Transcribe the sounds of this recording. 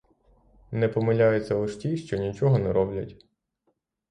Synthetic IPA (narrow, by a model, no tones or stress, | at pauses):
nɛpɔmɪlʲajʊt͡sʲːɐlˠɪʃtʲiʃt͡ʃɔnʲit͡ʃɔɦɔnɛɾɔblʲɐtʲ